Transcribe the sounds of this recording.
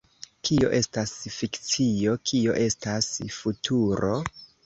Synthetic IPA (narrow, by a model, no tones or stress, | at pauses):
kʰio̞̰ʔe̞stasfikt͡sio̞kʰio̞̰ʔe̞stasfutʰuɾo̞̰